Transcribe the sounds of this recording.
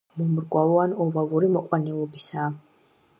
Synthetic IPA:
mɔmɾɡʼwavɔanɔvalˠuɾimɔqʼwanɛlˠɔbisaː

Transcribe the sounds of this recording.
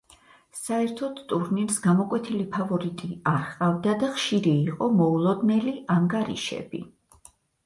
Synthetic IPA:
saɛɾt̪ʰɔd̪t̪ʼuɾniɾsɡamɔkʼwɛt̪ʰilipʰavɔɾit̪ʼiaɾqʼavd̪ad̪aχʃiɾiːqʼɔmɔulˠɔd̪nɛliʔaŋɡaɾḭʃɛ̰bḭ

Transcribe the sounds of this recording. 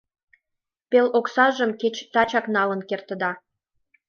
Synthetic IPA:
peloksɑʒəmket͡ɕt̪ɑt͡ɕɑknɑlə̆nkert̪ə̆d̪ɑ

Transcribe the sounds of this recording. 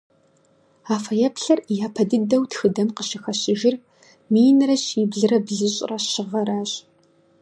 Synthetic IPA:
aːfɐjɐpɬɐrjaːpʰɐdɨdɐwtxɨdɐmqəɕɪxɐɕɪʒɪr | mijnɨrɐɕiːbɮɨrɐbɮɨɕʼrɐɕɪʁɐɾaːɕʼ

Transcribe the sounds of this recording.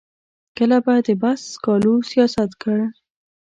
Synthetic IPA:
kəlabajd̪əbaskɑlusijɑsat̪kəɽ

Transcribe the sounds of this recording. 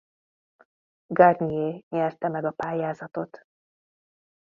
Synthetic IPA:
ɡarnieːɲɛrt̪ɛmɛɡɒpaːjaːzɒt̪o̞t̪

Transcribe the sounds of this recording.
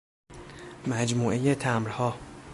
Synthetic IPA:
mæd͡ʒmuːʔe̞je̞t̪ʰæmɾhɒː

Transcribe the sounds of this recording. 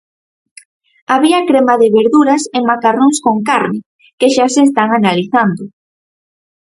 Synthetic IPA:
aβiakɾemaðɪβeɾðuɾaseŋmakaroŋskoŋkaɾnɪ | keʃaseːs̬t̪aŋanaliθand̪ʊ

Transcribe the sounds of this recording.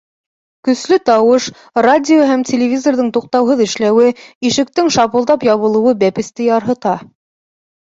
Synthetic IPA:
kɵ̆slɵt̪ɑwɤʃ | radʲɪoɦæmtʲʰelʲɪvʲizorðɤɴt̪uq̚t̪ɑwɦɤðɘ̆ʃlæwɘiʃɘ̆k̚t̪ɘŋʃɑβɤ̆lˠd̪ɑpjɑβɤ̆lˠɤ̆wɤbæpɘ̆st̪ɘjɑɾɦɤ̆t̪ɑ

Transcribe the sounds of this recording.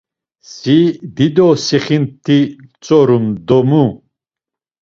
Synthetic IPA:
sid̪id̪ɔsiχint̪ʰːit͡sʼɔɾumd̪ɔmu

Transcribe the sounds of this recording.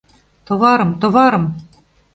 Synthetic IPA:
t̪ŏβɑɾɤ̆mt̪ŏβɑɾɤ̆m

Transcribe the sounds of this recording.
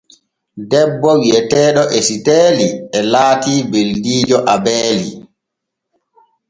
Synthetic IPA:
dɛbːɔwiɛtɛːɗɔʔesitɛːliɛlaːtiːbeldiːd͡ʒɔʔabɛːlḭ

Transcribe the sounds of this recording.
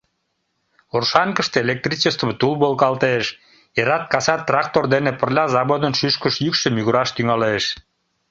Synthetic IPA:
orʃɑŋkəʃt̪eelʲek̚t̪rit͡ɕest̪t̪ulbolˠkɑlt̪eʃ | jeɾɑt̪̚kɑsɑt̪̚ːrɑk̚t̪ord̪enepərlʲɑzɑβod̪ənʃyʃkəʃjykʃə̆mjyɣuɾɑʃt̪yŋɑleʃ

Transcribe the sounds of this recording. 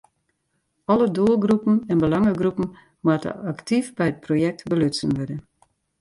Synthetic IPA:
ɔləduəlˠɡrupən̩ɛnbəlɑŋəɡrupən̩ | mwatə̰aktʰifbɛjət̚projɛk̚tbəløsənʋødə

